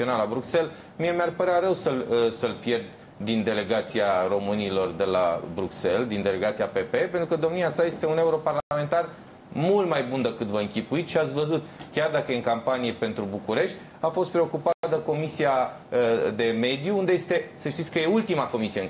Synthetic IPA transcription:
onalabɾukse̞l | mie̞mearpəɾeaɾəwsəlsəlpje̞rd̪ | d̪ind̪e̞le̞ɡat̪siaro̞mɨnilo̞rd̪e̞la̰bɾukse̞ld̪ind̪e̞le̞ɡat̪siape̞pe̞pe̞nt̪ɾukəd̪o̞mniasaje̞st̪e̞une̞uɾo̞parlaame̞nt̪ar | mult̪majbund̪əkɨt̪vəɨŋkʲipuit̪ʃiat̪sʲvəzut̪kʲard̪akəjeɨŋkampanije̞pe̞nt̪ɾubukuɾe̞ʃt̪ʲ | afo̞st̪pɾeo̞kupad̪əko̞misia | d̪e̞me̞d̪juund̪e̞je̞st̪e̞səʃt̪it̪sʲkəje̞ult̪imako̞misijeŋ

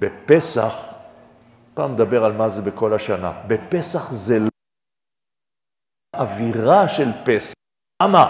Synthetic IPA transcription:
bepesa̰χ | pa̰ːmed̪abeʁalmazebeko̞laʃana̰bepesaχzel | ʔaviʁaʃelpes | ama

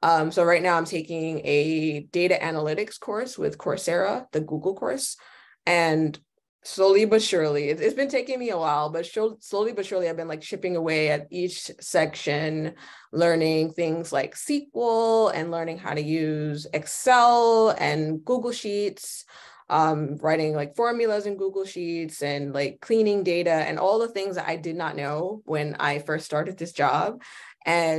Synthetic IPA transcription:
ʔʌ̃msoʊɹaɪtⁿnaʊãɪ̃mtʰeɪkɪ̃ŋɨd̥eɪɾɨʔænəlɪɾɨkskʰɔɹswɪ̰ð̥kʰɔ̰ɹsɛɹəðɨɡuɡl̩ˠkʰɔ̰ɹs | ɨ̃n | sloʊlˠibʌtʃʊɹlˠiɨtsɨtsb̥ɨ̃ntʰeɪkɪ̃ŋmiəwaɪlˠbʌtʃʊsloʊlˠibʌtʃʊɹlˠiaɪvbɨ̃nlaɪk̚t͡ʃʰɪpɪ̃ŋəweɪɨɾit͡ʃsɛkʃɨ̃n | lɜ̃˞nɪ̃ŋθɪ̃ŋzlaɪksikwl̩ˠɨ̰̃nlɜ̃˞nɪ̃ŋɦa̰ʊɾɨjʉzɛksɛlˠɨ̃nɡ̥uɡl̩ˠʃits | ʔʌ̃mɹaɪɾɪ̃ŋlaɪkfɔɹmjl̩ˠəzɨ̃nɡuɡl̩ˠʃitsɨ̃nlaɪkʰːl̥ĩnɪ̃ŋdeɪɾɨɨ̰̃nʔɔlˠðəθɪ̃ŋzðɨɾʔa̰ɪdɨdⁿnətⁿnoʊwɨ̃na̰ɪfɜ˞ststɑɹɾɨd̪̚ðɪsd̥ʒ̥ɑb̥̚ʔɨ̃

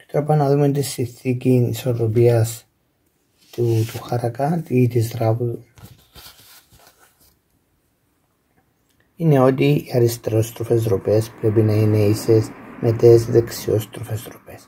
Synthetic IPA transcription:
pɾepɐnɐðumet̪̬isinθicinisoɾopiɐs | t̪ut̪uxɐɾɐkɐt̪it̪izɾapu | ine̞o̞t̪iiɐɾist̪eɾo̞st̪ɾofe̞zɾope̞spɾe̞pinɐine̞isesmʔe̞t̪ezðeksio̞st̪ɾofe̞zɾope̞s

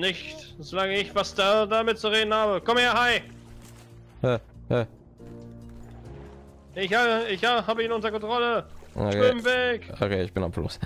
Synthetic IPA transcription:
nɪçtzolaŋəɪçv̥asd̥adamɪt̚t͡suʁeːdn̩haːbəkɔmhaːhaɪ | hɛhɛ | ʔɪçhaəɪçhaɦaːbəiːnʊntɐkɔntʁ̥ɔləo̰kɪmvɛko̰kʰeːɪçb̥ɪnamflʊ̰s

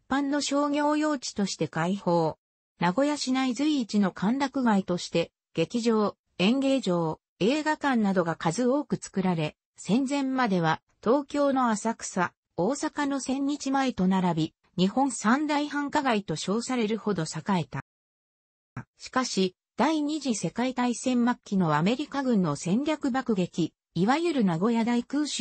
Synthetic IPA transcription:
ipːãnːo̞ɕo̞ːŋʲjo̞ːjo̞ːt͡ɕi̥t̪o̞ɕi̥t̪e̞kaiho̞ː | naɡo̞jaɕinaizɨiːt͡ɕino̞kʰãnɾakɯ̟ɡait̪o̞ɕi̥t̪e̞ | ɡ̥e̞kʲiʑo̞ː | ẽ̞ŋɡe̞ːʑo̞ː | e̞ːɡakãnːad̪o̞ɡakazɨo̞ːkɯ̟t͡sɨ̥kɯ̟ɾaɾe̞ | sẽ̞nd͡zẽ̞mːad̪e̞β̞a | t̪o̞ːkʲo̞ːno̞asakɯ̟̥sa | o̞ːsakano̞sẽ̞ɲ̟ːit͡ɕimae̞t̪o̞naɾabʲi | ɲ̟ihõ̞ñsãnd̪aihãŋkaɡait̪o̞ɕo̞ːsaɾe̞ɾɯ̟ho̞d̪o̞sakae̞t̪a̰ | ɕi̥kaɕi | d̪̥aiɲ̟iʑise̞kait̪aisẽ̞mmakʲːino̞βame̞ɾʲikaɡɯ̟̃nːo̞sẽ̞ɲɾʲakɯ̟bakɯ̟ɡe̞kʲiː | βajɯ̟ɾɯ̟naɡo̞jad̪aikɯ̟ːɕ

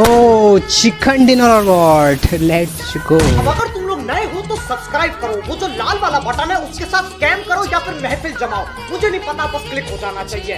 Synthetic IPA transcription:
ot͡ʃʰikʰːəɳɖinɔlɔɾʋɔʈlɛʈt͡ʃɡoɐbɐɡəɾt̪umloɡnəiɦot̪osɐbskɾaːɪb̚kəɾoʋod͡ʒolaːlʋalabaʈamẽʊskesaːt̪ʰskɛmkəɾojapʰɪɾmɛɦpʰɪld͡ʒɐmaːo | mʊd͡ʒʱenipɐt̪abəsklɪkɦod͡ʒaːnat͡ʃaːɦie

